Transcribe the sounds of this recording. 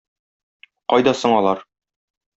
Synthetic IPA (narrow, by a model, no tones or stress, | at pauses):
qɒjd̪ɑsɤɴɒlˠɑɾ